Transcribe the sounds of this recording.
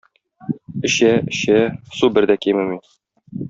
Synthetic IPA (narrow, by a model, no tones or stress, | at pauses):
ɘ̆ɕæɘ̆ɕæsubɘ̆ɾd̪ækimɘmi